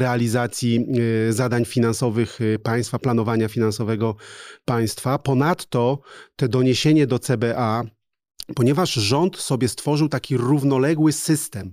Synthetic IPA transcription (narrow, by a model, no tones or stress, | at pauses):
ɾɛalʲizat̪sʲjizad̪aɲfʲinansɔvɘxpaj̃st̪faplan̪ɔvaɲafʲinansɔvɛɡɔpaj̃st̪fapɔnat̪ːɔt̪ɛd̪ɔɲeɕeɲɛd̪ɔt̪sɛbɛʔa | pɔɲɛvaʂʐɔnt̪sɔbʲjɛst̪fɔʐɘwt̪akʲiɾuvnɔlɛɡwɘsɘst̪ɛm